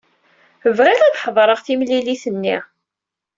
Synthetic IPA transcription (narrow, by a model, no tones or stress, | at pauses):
əvʁiʁæðħəðˤɾˤəʁθimliliθənːiʁ